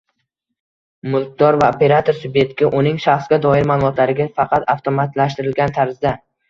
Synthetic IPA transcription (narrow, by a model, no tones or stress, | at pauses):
mʊlˠk̚ʲd̪ɒɾvaope̞ɾat̪ʰoɾsʊbe̞t̪kʲɪʔʊnɪŋʃaχsɡʲad̪ɒɪɾmalˠʊmɒt̪laɾɪɡʲafɑqʰɑt̪aft̪ʰomat̪laʃ̬t̪ɪɾɪlɡʲant̪ʰaɾzd̪a